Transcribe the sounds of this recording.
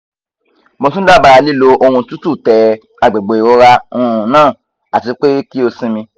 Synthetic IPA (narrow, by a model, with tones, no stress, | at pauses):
mo˧s̬ũ˦da˦˨ba˧ɾa˧li˦˨lo˧o˧hũ˧tu˦tu˦˨tɛ˨ | a˨ɡ͡be˨ɡ͡bo˨i˨ɾo˧˦ɾa˧ũ˧˨nãː˦˨ | a˨ti˨˧˦k͡pe˦ki˦o˧sĩ˦mĩ˧